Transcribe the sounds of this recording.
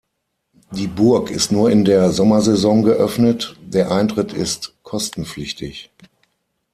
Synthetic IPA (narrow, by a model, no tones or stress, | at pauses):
diːbʊɐkɪstnuːɐɪndeːɐzɔmɐzɛzɔŋɡəʔœfnətd̥eːɐʔaɪntʁ̥ɪtʰɪ̰stkʰɔstn̩flɪçtʰɪç